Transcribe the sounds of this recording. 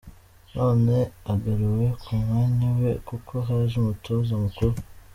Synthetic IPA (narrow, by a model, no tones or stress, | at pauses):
nʔoːneaɡaɾewe̞kʰumŋaːɲawḛkukʰoɦaːʒumutozamukuɾu